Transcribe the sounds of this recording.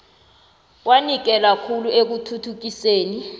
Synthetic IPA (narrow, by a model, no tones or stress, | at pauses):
wanik̬ɛlakʰuluek̬utʰutʰuk̬iseːni